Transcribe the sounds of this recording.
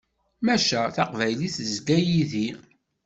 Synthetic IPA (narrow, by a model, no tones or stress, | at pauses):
mæʃæθaqvæjliθzɡæjiði